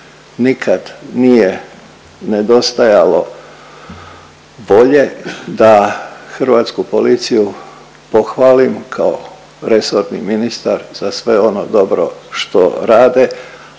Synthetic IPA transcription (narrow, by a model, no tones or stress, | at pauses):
nikʰad̪nije | ned̪o̞st̪ajalo̞ | bo̞ʎe̞d̪axr̩ʋaːt̪skupo̞lit̪siju | po̞xʋaːlimkʰao | ɾe̞soɾnḭminist̪aɾz̥asʋe̞o̞no̰d̪o̞bɾo̰ʃt̪o̞̰ɾaːd̪e̞